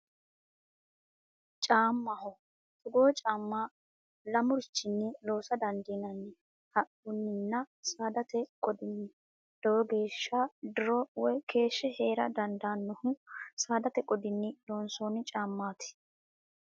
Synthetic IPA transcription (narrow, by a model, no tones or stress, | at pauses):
t͡ʃʼaːmːɐhɔ | t̪ʊɡo̞ːt͡ʃʼaːmːa | lɐmʊɾɪt͡ʃːɪnːɪlo̞ːsɐd̪ɐnd̪iːnɐnːɪ | hɐʔʊnːɪnːɐsaːd̪ɐt̪ɛkʼɔd̪ɪnːɪ | d̪̥ɔwɔɡe̞ːʃːad̪ʊɾɔwɔjkʰe̞ːʃːɛhe̞ːɾɐ̰d̪ɐnd̪aːnːɔhʊsaːd̪ɐt̪ɛkʼɔd̪ɪnːɪloːnsoːnɪt͡ʃʼaːmːaːt̪ɪ̥